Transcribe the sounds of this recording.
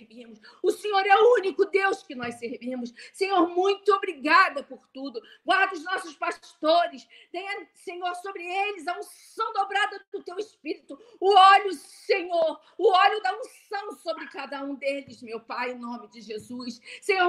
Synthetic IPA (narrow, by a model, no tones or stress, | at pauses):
ɾvimʊsʊsẽɲoɾɛʊũnikʊd̪ewskɪnɔjsseɾvimʊssẽɲoɾmũj̃t̪ʊobɾiɡad̪ɐpʊɾt̪ud̪ʊ | ɡwaɾd̪ɐʊznɔsʊspaʃt̪oɾɪs | t̪ẽj̃ɐsẽɲoɾsobɾɪelɪzɐũsɐ̃w̃d̪obɾad̪ɐd̪ʊt̪ewɪspiɾit̪ʊ | ʊɔlʊseɲoɾ | ʊɔʎʊd̪aũssɐ̃w̃sobɾɪkad̪ɐũd̪elɪsmewpajẽnõmɪd͡ʒɪʒezusːẽɲoɾ